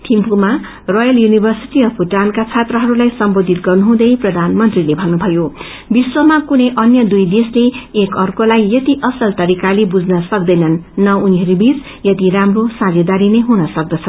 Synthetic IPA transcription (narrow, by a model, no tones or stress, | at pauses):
t̪ʰimpuma | rojʌljunibʱʌrsiʈiʌpʰuʈankat͡sʰat̪rʌɦʌɾulajsʌmbod̪ʱit̪̚ɡʌrnuɦũd̪ʌjprʌd̪ʱanmʌnt̪rilebʱʌnːubʱʌjo | biswʌmakunʌjʔʌnjʌd̪ujd̪esleekʌrkolajːʌt̪iʔʌsʌlt̪ʌɾikalebud͡znʌsʌk̚d̪ʌjnʌnːʌuniɦʌɾubit͡s | jʌt̪iɾamrosãd͡zʌd̪aɾineɦunʌsʌk̚d̪ʌt͡sʰʌ